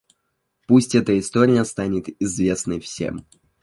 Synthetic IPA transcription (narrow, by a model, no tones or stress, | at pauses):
pusʲtʲɛt̪əɪst̪o̞ɾʲɪjəst̪anʲɪt̪ɪzvʲe̞snəjfsʲḛm